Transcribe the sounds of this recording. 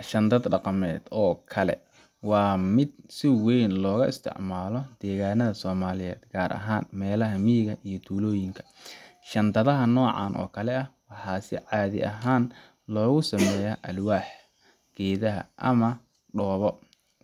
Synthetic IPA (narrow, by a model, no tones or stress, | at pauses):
ʃɐnd̪ɐd̪ɖɑqɑmɛːd̪ɔːkʰɐlɛ̰ | wɑːmɪd̪̚sɪwɛjnlɔːɣɐʔɪst̪ʰɪ̰ʕmaːlɔd̪̥ɛːɣaːnɐðɐsɔːmaːlɪjɛ̰ːd̪̥ɡ̥aːɾʔɐ̰ɦaːnmɛːlɐɦɐmiːɣɐʔijɞt̪ʰuːlɔːjɪŋkʰɐ̥ | ʃɐnd̪ɐðɐɦɐnɔːʕɑ̰ːnʔɔ̰ːkʰɐlɛɐwɑħɑːsɪʕɑːðɪ̰ʔɐɦaːn | lɔːɣʊsɐmɛːjɐʔɐlwaːħ | ɡ̥ɛːðɐɦɐ̰ʔɐmɐ | ɖɔːβɔ